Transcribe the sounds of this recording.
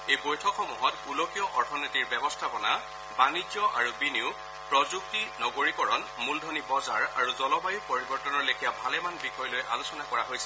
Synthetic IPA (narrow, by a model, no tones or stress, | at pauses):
ejbojtʰɔkʰxɔmuɦɔtulokijɔʔɔɹtʰɔnetiɹbɛbɔstʰabɔna | banizjɔʔa̰ɹubiniʊ | pɹɔzuk̚tinɔɡoɹikɔɹɔnmuldʱonibɔzaɹaɹuzɔlɔbajupoɹibɔɹtɔnɔɹlekʰijabʱalɛmanbixɔjɔlojʔalosɔnakɔɹaɦojsɛ